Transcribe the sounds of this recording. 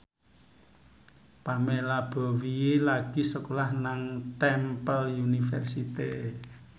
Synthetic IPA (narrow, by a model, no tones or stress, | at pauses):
pamelab̥ɔ̤wielaɡ̥i̤səkolahnaŋt̪ɛmpəlunifɛ̰rsit̪e